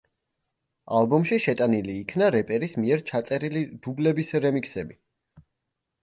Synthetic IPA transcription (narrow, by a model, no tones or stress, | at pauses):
alˠbɔmʃiʃɛt̪ʼaniliːkʰnaɾɛpʼɛɾismiɛɾt͡ʃʰat̪sʼɛɾilid̪̥ublɛbisɾɛmiksɛbi